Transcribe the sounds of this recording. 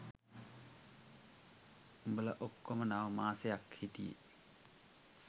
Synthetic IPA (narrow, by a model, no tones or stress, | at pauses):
umbələʔokːomənaʋəmaːsejakhit̪ijḛ